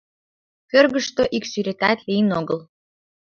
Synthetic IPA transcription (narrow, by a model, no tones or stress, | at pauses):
kørɣəʃt̪oʔiksyɾet̪æt̪lijnoɣəl